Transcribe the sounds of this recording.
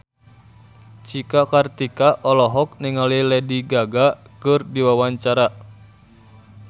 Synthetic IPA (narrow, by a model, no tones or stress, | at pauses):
t͡ʃikakart̪ikaʔɔlɔɦɔk̚niŋalilɛdiɡaɡa | kɨrdiwawaɲt͡ʃaɾa